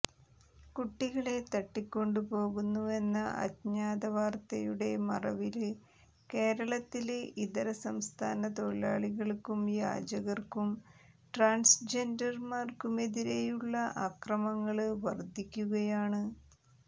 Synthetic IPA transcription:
kuʈːiɣɐɭe̞t̪ɐʈːikʲːo̞ɳɖupo̞ːɣunːue̞nːɐ̰ʔɐ̰d̪ɲaːd̪ɐʋaːrt̪ɐjuɽe̞mɐ̰rɐ̰ʋil | ke̞ːɾɐɭɐt̪ːilʔid̪ɐɾɐsɐmst̪ʰa̰ːnɐt̪o̞ɭa̰ːɭiɣɐɭkumja̰ːd͡ʑɐɣɐrkum | ʈraːnsd͡ʑe̞ndɐrmaːrkume̞ðiɾe̞juɭːɐʔɐkrɐmɐŋːɐɭʋɐrd̪ʱikʲːuɣɐjaːɳɨ

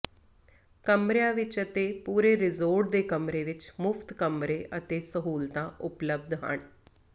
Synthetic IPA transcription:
kəmɾɪjãːʋɪt͡ʃət̪eːpuːɾeːɾɪzoːɾʈ̚d̪eːkəmɾeːʋɪt͡ʃmʊpʰt̪kəmɾeːʔət̪eːsəɦuːlt̪ãːʔʊpləb̚d̪ɦə̰ɳ

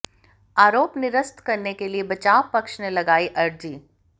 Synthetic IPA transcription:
aːɾoːpnɪɾəst̪kɐɾnekeliebɐt͡ʃaːʋpɐkʃnelɐɡaːiʔɐɾd͡ʒiː

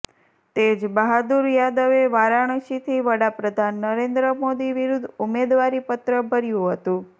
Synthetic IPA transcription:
t̪ed͡ʒbəɦad̪uɾjad̪əʋeʋaɾaɳ̃əʃit̪ʰiʋəɽapɾəd̪ʱanːəɾend̪ɾəmod̪iʋiɾud̪ʱumed̪ʋaɾipət̪ɾəbʱəɾjũɦət̪ũ

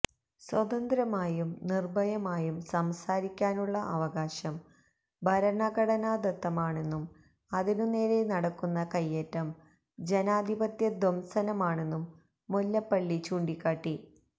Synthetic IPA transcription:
swɐd̪ɐnd̪ɾɐmaːjumnirbɐjɐmaːjumsɐmsaːɾikʲːaːnuɭːɐʔɐʋɐɣaːɕɐm | bʱɐɾɐɳɐɡɐɽɐnaːd̪ɐt̪ːɐmaːɳe̞nːum | ɐðinune̞ːle̞nɐɽɐkːunːɐkɐjːetːɐm | d͡ʑenaːd̪ʱibɐt̪jɐd̪ʱomsɐnɐmaːɳe̞nːumː | olːɐpːɐɭːit͡ɕuːɳɖikʲːaːʈːi

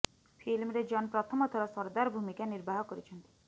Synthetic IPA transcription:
pʰilmɾed͡ʒɔnpɾɔt̪ʰɔmɔt̪ʰɔɾɔsɔɾd̪aɾɔbʱumikaniɾbʱaɦɔkɔɾit͡ʃʰɔnt̪i̥

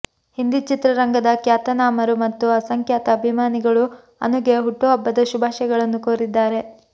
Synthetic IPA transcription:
hind̪it͡ʃit̪ɾɐɾɐŋɡɐd̪ɐkjaːt̪ɐnaːmɐɾumɐt̪ːuɐsɐŋkjaːt̪ɐːbʱimaːniɡɐɭu | ɐ̰nuɡeɦuʈːuɐbːɐd̪ɐʃubʱaːʃɐɡɐɭɐnːukoːɾid̪ːaːɾe̞

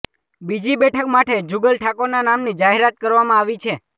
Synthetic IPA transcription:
bid͡ʒibɛʈʰəkmaʈʰed͡ʒuɡəlʈʰakonanamnid͡ʒaɦeɾat̪̚kəɾʋamãaʋit͡ʃʰe

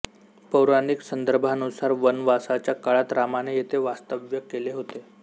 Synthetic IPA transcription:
pəwɾaniksənd̪əɾbʱanusaɾʋənʋasat͡ɕjakaɭat̪ɾamanejet̪ʰeʋast̪əʋjəkeleɦot̪e

